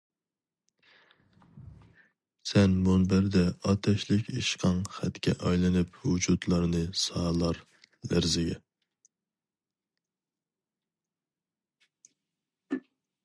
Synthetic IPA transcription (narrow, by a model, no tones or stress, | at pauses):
sɛnmunbæɾd̪ɛɑt̪ʰɛʃlɪkʲʰiʃqʰɑŋχæt̪kʲɛ̰ʔɑjlˠɨnɨphud͡ʒut̪lˠɑɾnɨsɑːlˠɑɾ | læ̰ɾzɪɡʲɛ